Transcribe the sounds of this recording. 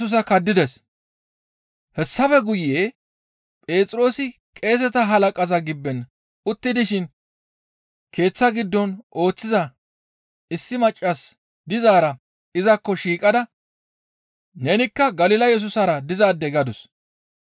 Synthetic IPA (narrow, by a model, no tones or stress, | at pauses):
ʊs̬ɐkɐd̪ːɪd̪ɛs | hɛsːɐfɛɡʊjːeː | pʼe̞ːt͡sʼɾo̞ːsɪ | kʼe̞ːs̬ɛt̪ɐɦɐlɐkʼɐzɐɡɪbːɛn | ʊt̪ːɪd̪ɪʃɪn | kʰe̞ːt͡sːɐɡɪd̪ːɔnʔo̞ːt͡sːɪzɐ | ɪsːɪmɐt͡ʃʼːɐs | d̪ɪzaːɾɐ | ɪzɐkːɔʃiːkʼɐd̪ɐ | neːnɪkːɐɡɐlɪlɐjɛs̬ʊsɐɾɐd̪ɪzaːd̪ːɛɡɐd̪ʊs